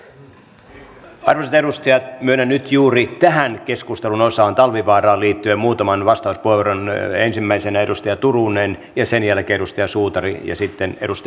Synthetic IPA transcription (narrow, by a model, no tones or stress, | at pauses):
ɑrʋoset̪eɾust̪ɑjɑt̪myønænnyt̪juːrit̪æhænkeskust̪elunosɑːnt̪ɑlʋiʋɑːrɑːliːt̪ːyemmuːt̪ɑmɑnʋɑst̪ɑuspueʋoronensimːæisenæedust̪ɑjɑt̪urunenjɑsenjælkeːeɾust̪ɑjɑsuːt̪ɑrijɑ̰sit̪ːeneɾust̪